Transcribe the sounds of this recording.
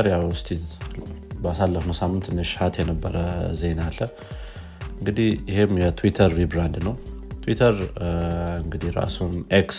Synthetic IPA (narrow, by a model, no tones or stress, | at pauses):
ɾjawʊst̪ʰid̪ | basalːəfnəsamːɨnt̪ʰɨnːəʃɪ̥hat̪jɛnəbːəɾəze̞nalːə | ɨŋɡɨd̪ihjɪhemjɛt̪ʰwit̪ʰəɾːibɾand̪nəwt̪ʰwit̪ʰəɾ | ɨŋɡɨd̪ihɾa̰sumʔeks